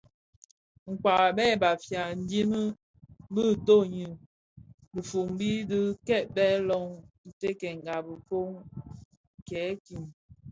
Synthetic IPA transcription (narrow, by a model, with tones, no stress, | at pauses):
ŋ̩˨kwa˨ʔbɛ˦˨ba˨fja˨n̩˦dji˦mə˦ | bə˦˨to˦˨ɲi˨ | bə˨fu˨m˦bi˦də˦kɛ˦˨t̚bɛ˦lɔ˦ŋ̩˨te˦kɛ˨ŋ˨ɡa˨bə˨fo˦ŋ˨ | kɛ˨˦ki˨n